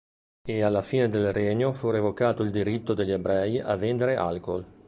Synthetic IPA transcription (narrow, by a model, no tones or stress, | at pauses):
ealːafiːned̪elreɲofuɾevokaːt̪oild̪iɾit̪ːod̪eʎːebɾɛja̰vːend̪eɾeʔa̰lkol